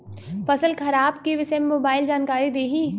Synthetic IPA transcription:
fɐsəlkʰɐɾaːbkiʋɪsɛmːoːbaːɪld͡ʒaːnkaːɾid̪eːɦiː

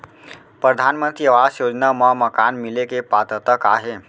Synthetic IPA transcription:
pɾəd̪ʱanmənt̪ɾiəʋasjod͡ʒnaməməkanmilekepat̪ət̪əka̰ːɦe

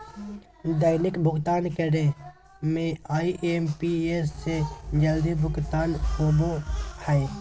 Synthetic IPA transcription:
d̪əjnɪkbʱʊɡt̪aːnkəɽe | mẽaːiʔeːmpiesːed͡ʒəld̪ibʱʊɡt̪aːnkoːbohɛj

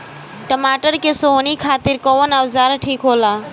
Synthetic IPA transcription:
ʈəmaːʈəɾkesoːnikʰaːt̪iɾkɔwənawzaːɾʈʰiːkɦoːla

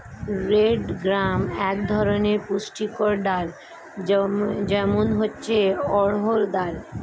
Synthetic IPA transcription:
ɾeɖɡɾamɛkd̪ʱɔɾoneɾpuʃʈikɔɾɖaɾ | d͡ʑɛmonɦotːɕʰeɔɾɦoɾd̪aɾ

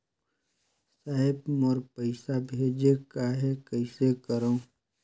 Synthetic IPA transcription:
saːɦɪbmɔɾpəɪsabʱeːd͡ʒekaɦekəɪsekəɾõː

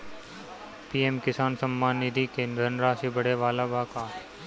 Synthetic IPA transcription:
piːemkɪsaːnsɐmːaːnːɪd̪ʱikenɾɐnɾaːsibɐɽeʋaːlabʱaːkaː

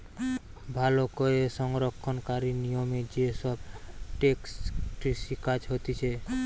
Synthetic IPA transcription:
bʱalɔkɔesɔŋɾɔkʰːɔnkaɾinijɔmed͡ʒesɔb̚ʈeksʈɾisikad͡ʒɦɔt̪it͡ʃʰe

